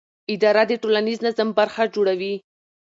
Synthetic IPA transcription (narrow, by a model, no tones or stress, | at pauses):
ɪd̪ɑɾad̪əʈolaniznazambaɾxad͡ʒoɽawi